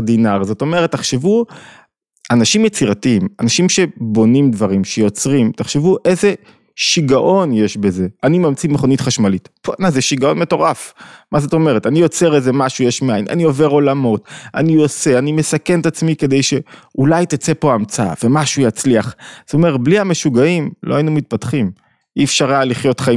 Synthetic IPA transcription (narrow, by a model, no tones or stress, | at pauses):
dinaʁzo̞to̞me̞ʁetːaχʃevu | anaʃimjet͡siʁatiimanaʃimʃebo̞nimdvaʁimʃe̞jo̞t͡sʁimtaχʃe̞vuʔeze | ʃiɡaʔo̞nje̞ʃbe̞ze̞animamt͡simeχo̞nit̪χaʃmalitponazeʃiɡao̞nme̞to̞ʁafmazoto̞meʁe̞tanijo̞t͡se̞ʁezemaʃujeʃmiajinʔa̰nio̞ve̞ʁo̞lamo̞t̪a̰nio̞se̞anime̞sake̞nt̪at͡smike̞d̪e̞jʃe̞ulajt̪at͡se̞po̞amt͡sa̰ve̞maʃujat͡sliaχz̥omeʁbliame̞ʃuɡaimloainumit̪̚patχim | iɛfʃaʁaliχjo̞t̪χai